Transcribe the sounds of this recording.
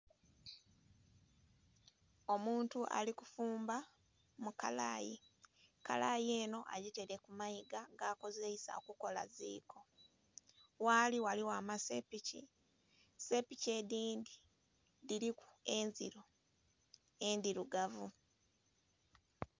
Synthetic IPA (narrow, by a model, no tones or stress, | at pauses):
o̞muːntuʔa̰likufuːmba | mukala̰ːjika̰laje̞ːno̞ʔaɟiteɾe̞kumaiɡaɡaːko̞zeisa̰okuko̞la̰zḭːkʰo̞ | waliwaliwaːmasepicḭ | se̞pice̞diːnd̪i | diɾiku̥enziɾo | e̞ndiɾuɡavu